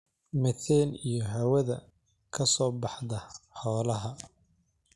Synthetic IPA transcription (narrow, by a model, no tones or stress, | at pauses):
mɛθɛːnijɞɦɐwɐðɐ | kʰɐsɔːbɑħd̪ɐħɔːlɐɦɐ